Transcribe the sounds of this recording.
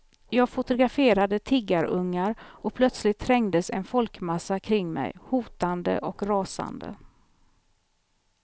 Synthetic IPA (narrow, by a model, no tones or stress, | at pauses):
jɑːɡfʊt̪ʊɡɾafeːɾad̪ət̪ʰɪɡːaɾɵŋːaɾɔpʰlœt̪slɪt̪ʰːɾɛŋd̪əsɛnfɔlkmasːakʰɾɪŋːmɛ̰jhuːt̪and̪ə̰ʔɔkɾɑːsa̰nd̪ə̰